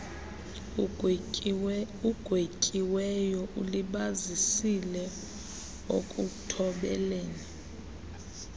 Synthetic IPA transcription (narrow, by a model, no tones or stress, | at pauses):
uɡ̥ʱwekʼiwɛjɔʔuliɓazisilɛ | o̰kʼutʰɔɓɛ̰leːni